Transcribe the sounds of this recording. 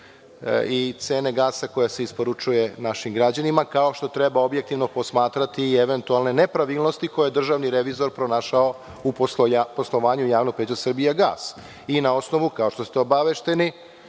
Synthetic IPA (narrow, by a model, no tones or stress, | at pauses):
it̪seːne̞ɡaːsako̞jase̞ispo̞ɾut͡ʃuje̞naʃimɡɾad͡ʑanimakao̞ʃt̪o̞t̪ɾebao̞bjek̚t̪iʋno̞po̞smaːt̪ɾat̪ieʋe̞nt̪ualne̞ne̞pɾaʋilˠno̞st̪iko̞jojed̪r̩ʒaʋniɾeʋizo̞ɾpɾonaːʃao | upoposlˠo̞ʋaːɲujaːʋnoɡ̚peːt͡ɕasr̩bijaɡaːs | inao̞sno̞ʋukao̞ʃt̪o̞st̪eobaʋeʃt̪e̞ni